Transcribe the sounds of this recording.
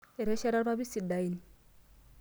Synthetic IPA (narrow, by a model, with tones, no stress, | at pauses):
ɛ˨ɾɛ˦ʃa˦ɾa˦ɾa˦bi˦si˨da˨i˦ni˨